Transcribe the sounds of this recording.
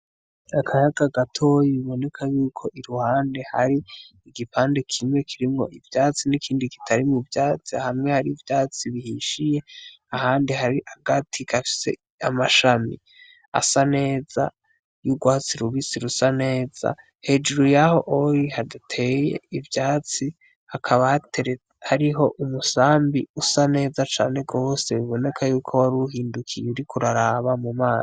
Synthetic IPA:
akʰajaɡaɡatʰo̞jiβo̞ne̞kʰajuːkʰo̞ʔiɾuhaːnde̞ha̰ɾiː | ɡipʰaːndekʰimwe̞kʰiɾimŋo̞̰ʔivjaːt͡sinikʰiːndiki̥tʰaɾimuvjaːt͡siahanwehaɾivjaːt͡siβihiʃije̞ | ahaːndihaɾiʔaɡatʰikʰafi̥se̞̰ | a̰maʃamḭ | a̰sane̞ːza̰ | juɡwahat͡siɾuβisiɾusane̞ːz̥a̰ | he̞d͡ʒuɾujaho̞ʔojihadatʰe̞je̞̰ivjaːt͡si | hakʰaβahatʰeɾe | haɾiɦo̞ʔumusaːmbiusane̞ːzat͡ʃa̰ːne̞ɡo̞ːse̞βiβo̞ne̞kʰajuːkʰo̞waɾuɦiːndukʰijuɾikʰuɾaɾaːβamumaː

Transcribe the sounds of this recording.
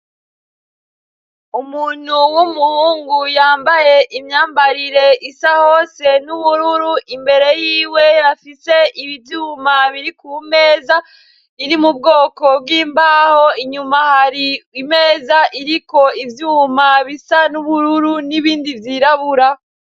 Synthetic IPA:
umuːn̥huwumuhuːŋɡujaːmbaje̞ʔimɲaːmbaɾiɾe̞ʔisaho̞ːse̞nuβuɾuɾuimbe̞ɾe̞jiːwe̞ɾafise̞ʔiβivjuːmaβiɾikume̞ːza | iɾimub̚ɡo̞ːko̞b̚ɡiːmbaːho̞iɲumahaɾiimeːzaʔiɾiko̞ivjuːmaβisanuβuɾuɾuniβiːndivjiɾaβuɾa

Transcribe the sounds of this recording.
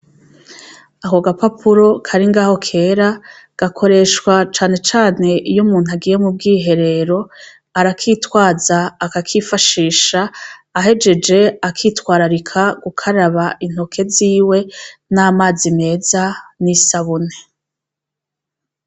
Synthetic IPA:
akoɡapapʰuɾo̞kʰaɾiŋɡaːho̞kʰe̞ːɾa | ɡ̥akʰo̞ɾe̞ʃkwat͡ʃaːnet͡ʃaːne̞ijomuːn̥uaɡiːje̞mub̚ɡiːɦe̞ɾe̞ɾo̞ | aɾakʰitwaːzaːkakʰifaʃiːʃaːɦe̞d͡ʒe̞d͡ʒe̞akʰiːtwaːɾaɾikʰaɡ̥ukʰaɾaβain̥ho̞kʰe̞ziːwe̞naːmaːzime̞ːzanisaβune̞

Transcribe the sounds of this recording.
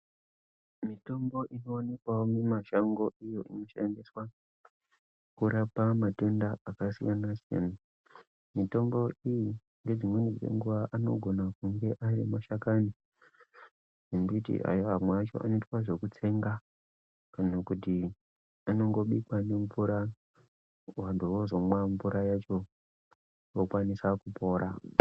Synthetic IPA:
mito̞mbo̞ʔino̞ːnekwawomemaʃaŋɡo̞ijo̞ʔino̞ʃandeswa | kuɾapamato̞ndaakasijanasia̰na | mito̞mbo̞iji | ŋɡe̞d͡zimweniʐḛŋɡuʋaʔano̞̰ɡʱo̞nakuŋɡe̞ʔarimaʃakani | ʐimbitḭa̰jamweat͡ʃo̞̰ʔa̰noitwaʐe̞kut͡se̞ŋɡa | kanakuti | ano̞ŋɡo̞ɓikwane̞ɱvuɾa | wantʰuwo̞zo̞mwaɱvuɾajat͡ʃo̞ | jokwanisakupo̞ːɾa

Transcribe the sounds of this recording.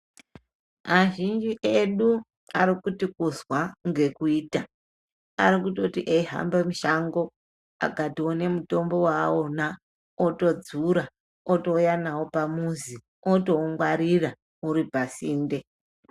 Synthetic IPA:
aʒind͡ʒiʔeɗu | aɾikutikuzwaŋɡe̞kuiːta | a̰ɾikuto̞tiʔeɦa̰mbemuʃaŋɡo̞ | a̰ɡʱatione̞muto̞mbo̞waona | oto̞d͡zuɾa | oto̞janawopamuzi | oto̞ŋɡwaɾira | uɾipasiːnde̞

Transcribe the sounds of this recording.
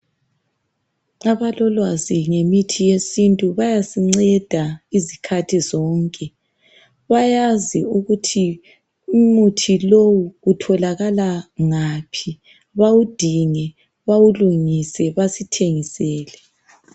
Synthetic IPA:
aβalɔlwaziŋemitʰijesintʼuβajasiŋ͡ǀɛd̥ʱaizikʰatʰizɔŋkʼɛ | βajaziuɣutʰi | umutʰilowuɣutʰɔlaɣalaŋapʰi | βawud̥ʱiŋɛ | βawuluŋisɛβasitʰeŋisɛːlɛ

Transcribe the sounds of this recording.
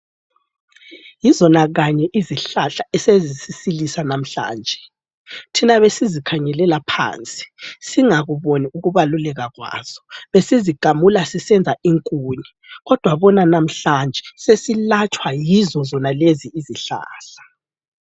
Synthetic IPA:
jizɔnaɣaɲɛʔiziɬaɬaɛsezisisilisanam̩ɬa̰ːnd͡ʒʱɛ | tʰinaβesizikʰaɲɛlɛlapʰa̰ːnt͡sʼi̥siŋaɣuβoniuɣuβalulɛɣaɣwa̰ːz̥ɔ̥βesiziɡ̥ʱamulasisɛnd͡zʱaiŋkʼuːni | ɣɔd̥ʱwaβɔnanam̩ɬand͡ʒʱɛsesilat͡ʃʼwajizɔzɔnaleziːziɬa̰ːɬḁ

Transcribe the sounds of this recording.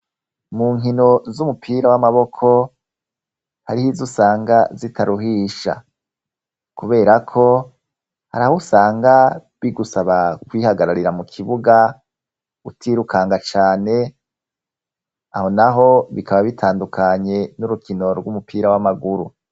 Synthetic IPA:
muŋino̞zumupʰiːɾawamaβo̞kʰo̞ | haɾihizusaːŋɡazitʰaɾuɦiʃa̰ | kuβe̞ːɾakʰo̞ | ha̰ɾahusaːŋɡaβiɡusaβakwihaɡaɾaɾiɾamukʰiβuɡa | utʰiɾukʰaːŋɡat͡ʃaːne̞ | aho̞naɦo̞βikaβaβitʰaːndukʰaɲe̞nuɾukʰino̞ɾɡumupʰiːɾawamaɡuɾu

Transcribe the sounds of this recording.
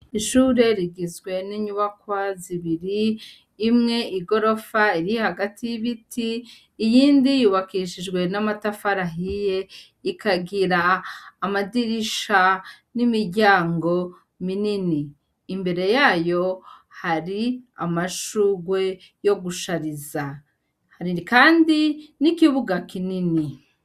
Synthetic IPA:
iʃuːɾe̞ɾiɡizɡwe̞niɲuβakwaziβiɾiː | mŋe̞ʔiɡo̞ɾo̞faiɾihaɡatʰijiβitʰiː | jiːndijuβakiʃid͡ʒɡwe̞namatafaɾaɦije̞ | ikʰaɡiɾaːmadiɾiʃa | nimiɾɟaːŋɡo̞ | mininiː | mbe̞ɾe̞jaːjo̞haɾia̰maʃuːɡwe̞ | jo̞ɡuʃaɾiza | hɾikaːndinikiβuɡakinini

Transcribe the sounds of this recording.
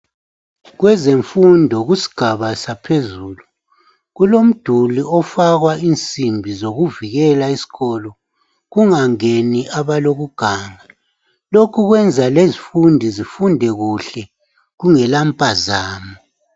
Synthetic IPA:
ɣwɛzeɱfundʱɔɣusi̥ɡ̥ʱaβasapʰezuːlu | ɣulom̩d̥ʱuliɔfaɣwaint͡sʼimbʱizoɣuviɣɛlaisi̥ɣɔlɔ | ɣuŋaŋeniaβaloɣuɡ̥ʱaːŋa | lokʰuɣwɛnd͡zʱalezifundʱizifundʱɛɣuɬɛ | ɣuŋɛlam̩pʼazaːmɔ

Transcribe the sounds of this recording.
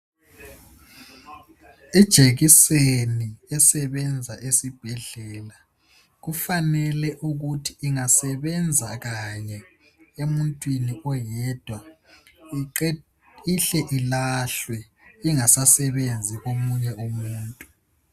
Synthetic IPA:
id̥ʒ̥ʱeɣiseniɛsɛβɛnd͡zʱaʔesib̥ʱɛɮɛːla | ɣufanɛlɛʔuɣutʰi̥ːŋasɛβɛnd͡zʱaɣaɲɛ | emuntʼwiniɔjɛːd̥ʱwa | iɬɛʔilaɬwɛ | iŋasasɛβend͡zʱiɣomuɲɛʔumuːntʼu

